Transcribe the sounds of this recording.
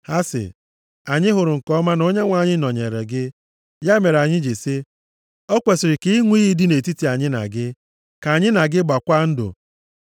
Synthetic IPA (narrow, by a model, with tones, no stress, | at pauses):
ha˦sɪ̰˨ | a˨ɲɪ˦ɦʊ˨ɾʊ˨ŋ̩˨kɔ˦ma˦no˦ɲe˦ŋʷa˨ɲɪ˦nɔ˨ɲe˨ɾḛ˨ɡɪ˦ | ja˦me˨ɾa˨ɲɪ˦d͡ʒe˨si˦ | ɔ˦kʷe˨sɪ˨ɾɪ˨ki˦i˦ŋʷi˦ɣi˦di˦ne˨ti˦ti˨a˨ɲɪ˦na̰˨ɡɪ˦ | ka˨ɲɪ˦na˨ɡɪ˦ɡ͡ba˨kʷa˦n̩˦dʊ̰˨